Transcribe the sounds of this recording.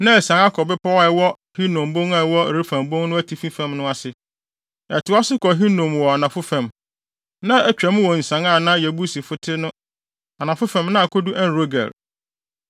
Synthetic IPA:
nã˦˨sã˨˦ŋa˦kʰɔ˨bɪ˦pʰa˦wa˦ɛ˨wɔ˦ | hi˦nõ˨mbõ˦ŋa˨wɔ˦˨ɾi˦fã˨mbõ˦ŋnʊ̃˦æ˦tʰi˨fĩ˦fæ̃˨mnʊ̃˦a˨sɪ˨ | ɛ˨tʊ˨˦a˦sʊ˦kɔ˨ɦi˦nõ˨mwɔ˨a˨nã˨fʊ˦fã˨m | nã˦ɛ˦t͡ɕᶣɛ̃˨˦m̃˦wɔ˨n̩˨sã˦ŋa˦˨nã˦jɛ˨bu˦si˨fʊ˦tʰɪ˦nʊ̃˦ | a˨nã˨fʊ˦fã˨mnã˦a˨kʰɔ˦du˦ʔæ˦n˦ɾo˦ɡæ̰˨l

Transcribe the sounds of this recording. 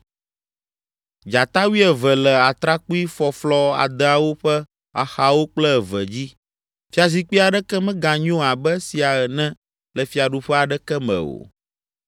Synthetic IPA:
d͡ʒa˨t̪a˦wi˦ɛ˨vɛ˨lɛ˨a˨t̪ɾa˦ku˦i˦fɔ˨flɔ˦a̰˨d̪ɛ˦a˨wo˦ɸɛ˦ | a˨xa˨wo˦k͡plɛ˦˨və̰˨d͡ʑi˦ | fi˦a˨zi˨k͡pi˦a˨ɖɛ˦kɛ˦mɛ̃˦ɡã˨ɲũ˦˨a˨bɛ˦si˨a˨ə˨nɛ̃˦ | lə˨fi˨a˨ɖu˦ɸɛ˦a˨ɖɛ˦kɛ˦mɛ̰̃˨o̰˨

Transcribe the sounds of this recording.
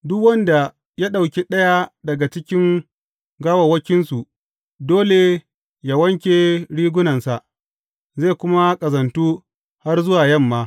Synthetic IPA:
dʊ˦kwɐ˦nda˨ | ja˦ɗa˨wkʲe˦ɗɐ˦ja˦dɐ˨ɡa˨t͡ʃɪ˦kʲɪ˦ŋ | ɡaː˦wɐ˨wɐ˦kʲɪ˦nsu˨ | doː˦le˨ | ja˨wɐ˦ŋkʲeː˨ɽiː˦ɡʷʊ˦nɐ˨nsa˨ʔ | zeː˦˨kʷʊ˦ma˦kʼɐ˨zɐ˨ntuː˦ | ha˦rzʊ˦waː˨jɐ˦˨mːaː˨˦

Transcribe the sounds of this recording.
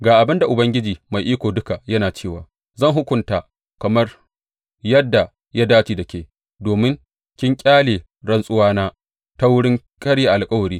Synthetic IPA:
ɡaː˨ʔa˨bɪ˦nda˨ʔʊ˨bɐ˦ŋɡʲɪ˦d͡ʒiː˨ma˨jʔiː˦kʷoː˨dʊ˦ka˨jɐ˦naː˨t͡ʃeː˦˨wa̰ː˨ | zɐ˦˨ŋɦʊ˦kʷʊ˨nta˨ʔ | kɐ˨mɐ˦r | jɐ˦dːa˨ | ja˦daː˦t͡ʃiː˨dɐ˨kʲeː˨ | doː˨mɪ˦ŋ | kʲɪ˦ŋkʲʼaː˦leː˨ | ɽɐ˦nsʼʊ˦waː˦naː˦ | ta˦wʊ˦ɽɪ˦ŋ | kʼɐ˦ɽje˨ʔa˨lkʼɐ˦wɐ˨ɾiː˦

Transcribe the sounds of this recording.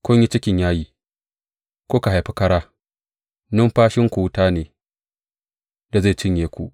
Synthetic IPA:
kʷʊ˦ɲji˦t͡ʃɪ˦kʲɪ˨ɲjaː˦jiː˦ | kʷoː˦ka˨ɦa˨jɸi˦kɐ˦ɽaː˦ | nʊ˦mɸaː˦ʃɪ˦ŋkʷu˨wʊ˦taː˦neː˨ | da˨ze˦˨t͡ʃɪ˦ɲjeː˨kʷṵ˨ʔ

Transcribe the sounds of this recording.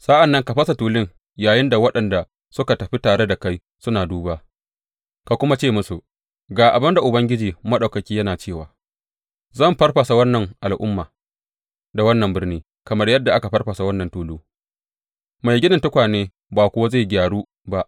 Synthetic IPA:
sa˦ʔa˨nːɐ˦ŋka˨ɸɐ˦sa˨tuː˨lɪ˦ŋ | jaː˨jɪ˦nda˨wɐ˦ɗɐ˨nda˨ | sʊ˦ka˨tɐ˨ɸi˦taː˨ɽe˦da˨ka˦j | sʊ˦naː˨duː˦baː˦ | ka˨kʷʊ˦ma˦t͡ʃeː˦˨mʊ˦su˨ | ɡaː˨ʔa˨bɐ˦nda˨ʔʊ˨bɐ˦ŋɡʲɪ˦d͡ʒiː˨mɐ˦ɗa˨wkɐ˨kʲiː˦jɐ˦naː˨t͡ʃeː˦˨waː˨ | zɐ˦˨mɸɐ˦rɸa˨sa˨wɐ˦nːɐ˨ŋʔa˨lʔʊ̰˦mːaː˨ | da˨wɐ˦nːɐ˨mbɪ˦rniː˦ | kɐ˨mɐ˦rjɐ˦dːa˨ʔa˦ka˨ɸɐ˦rɸɐ˨sa˨wɐ˦nːɐ˨ntuː˨luː˦ | ma˨jɡʲɪ˦nɪ˨ntʊ˦kʷaː˨neː˦ | baː˨kʷʊ˦wa˦za˦˨jɡʲaː˨ɽuː˦ | ba˦ʔ

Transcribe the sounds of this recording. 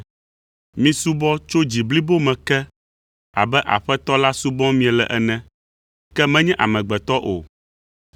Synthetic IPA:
mĩ˦su˦bɔ̃˦t͡ʃo˦d͡ʑi˨bli˦bo˦mɛ̃˨kɛ˦ | a̰˨bɛ˦ʔa̰˨ɸɛ˦t̪ɔ˦la˦su˦bɔ̃˦mĩ˦ɛ˨lɛ̰˨ʔɛ˦nɛ̃˦ | kɛ˦mɛ̃˦ɲɛ̃˦ʔa̰˨mɛ̃˨ɡ͡bɛ˨t̪ɔ˦ʔo˨

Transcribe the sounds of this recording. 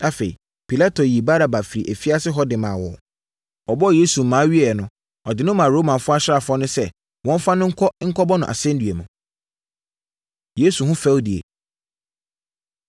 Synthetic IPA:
a˦fe˨ḭ˨ | pʰi˨la˦tʰo˨ji˨ba˦ɾa˨ba˨fi˨ɾi˨ʔæ˨fi˦a˦sɪ˦ɦɔ˦dɪ˨mã˨wɔ˨ | ɔ˨bɔ˦˨je˦su˨m̩˨mːãː˨˦ɥi˦ɛ˨nʊ̃˨ | ɔ˨dɪ˨nʊ̃˦mã˨ɾo˨˦mã˨fʊ˦a˦ɕɾa˦˨fɔ˦nʊ̃˦sɛ˦ | wɔ̃˦m˦fa˦nʊ̃˦ŋ̩˦kʰɔ˦ŋ̩˦kʰɔ˦bɔ˦nʊ̃˨ʔa̰˨sɛ̃˦n̩˦dɥe˨mũ˨ | je˦su˨ɦʊ̃˦fɛ˦di˨ḛ˨

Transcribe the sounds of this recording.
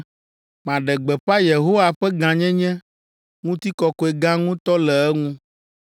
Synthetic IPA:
mã˨ɖɛ˨ɡ͡bɛ˨ɸa˦je˨ɦo˦wa˨ɸɛ˦ɡã˨ɲɛ̃˦ɲɛ̃˦ | ŋũ˦t̪i˦kɔ˨kɔ˦e˨ɡã˦ŋũ˦t̪ɔ˦lɛ˨ɛ˦ŋũ˦

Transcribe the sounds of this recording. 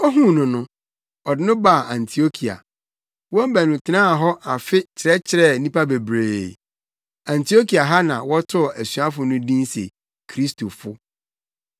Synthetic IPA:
ɔ˦ɦũ˦nʊ̃˨nʊ̃˦ | ɔ˨dɪ˦nʊ̃˦ba˦˨ã˨ntʰi˨o˦kʰi˨a̰˨ | wɔ̃˦m̩˦bæ˨nũ˨tʰɪ˨nãː˦˨ɦɔ˦a˨fɪ˦t͡ɕʰɪ˨ɾɛ˦t͡ɕʰɪ˨ɾɛ˦˨nĩ˦pa˦be˨bɾeː˨ | ã˨ntʰi˨o˦kʰi˨a˨ɦa˦nã˨wɔ˦tʰʊ˦˨æ˨sɥa˦fʊ˨nʊ̃˦dĩ˦nsḛ˨ | kʰɾi˦stʰo˨fʊ˦

